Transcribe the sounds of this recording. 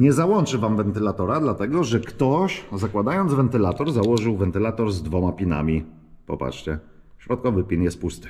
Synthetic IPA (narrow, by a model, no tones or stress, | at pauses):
ɲɛzawɔnt͡ʂɘvamvɛnt̪ɘlat̪ɔɾad̪lat̪ɛɡɔʐɛkt̪ɔɕzakwad̪ajɔnd̪zvɛnt̪ɘlat̪ɔɾzawɔʐɘwvɛnt̪ɘlat̪ɔɾzd̪vɔmapʲina̰mʲi | pɔ̰pa̰tt͡ʂt͡ɕɛ | ɕɾɔt̪̚kɔvɘpʲinjɛst̪̚pust̪ɘ̥